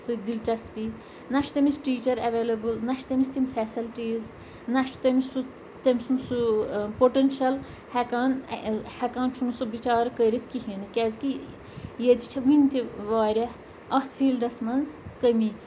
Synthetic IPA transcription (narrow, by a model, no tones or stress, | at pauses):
sɨd̪ilt͡ʃɐspi | nɐʃʰt̪ɐmisʈiːt͡ʃɐɾɐʋelɐbɨlnɐʃʰt̪ɐmisʲt̪imʲfʰɛːsɐlʈiːz | nɐʃt̪ɐmisu | t̪ɐmʲisunsupoʈenʃɐl | hɛkaːnhɐkaːnt͡ʃʰunusɨʋit͡ʃaːɾkəɾit̪ʰkiɦenɨkʲɛːzki | jed̪it͡ʃʰɐʋunʲt̪iʋaːɾʲɐ | ɐt̪ʰfʰiːlɖɐsmɐnzkəmi